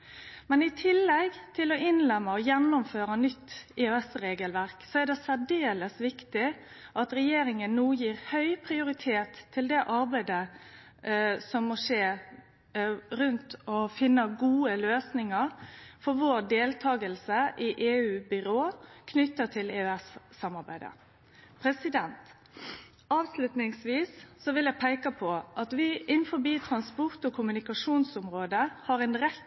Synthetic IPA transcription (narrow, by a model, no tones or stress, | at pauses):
mɛnɪt̪ʰɪlːɛɡt̪ʰɪlɔʔɪnlɛmːəɔjɛnːʊmføːɾɑnʏt̪ːiøɛsɾeːɡəlʋæɾksɔɛd̪ɛsæɖeːləsʋɪkt̪ɪ | ʔɑt̪ɾɛjeːɾɪŋənnuːjiːɾhœʏpʰɾɪʊɾɪt̪ʰeːt̪ʰːɪld̪ɛʔɑɾbæɪd̪ə | sɔmːɔʂeː | ɾʉnt̪ɔfɪnːəɡuːəløːsnɪŋəɾfɔɾʋoːɾd̪eːlt̪ʰɑːɡəlsəʔɪʔeːʉːbʏɾoːkʰnʏt̪ːət̪ʰɪleːøæsːɑmɑɾbæ̰ɪd̪ə̰ | pʰɾɛsɪd̪ɛnt̪ | ɑːʋslʉt̪nɪŋsʋiːsːɔʋɪljæpʰæɪkɑpʰɔʔɑt̪ʋɪʔɪnːfɔbiːt̪ʰɾɑnspɔʁt̪ɔkʰʊmʉnɪkɑʂuːnsʊmʁoːd̪əhɑɾɛnɾɛ